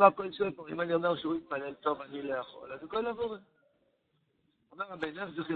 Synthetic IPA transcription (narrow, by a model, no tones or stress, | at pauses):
akolʃepoʁḭmanio̞meʁʃeuit̪̚pale̞lt̪o̞vanilo̞jaχo̞̰lazakolavoʁe | omeʁabenaziχi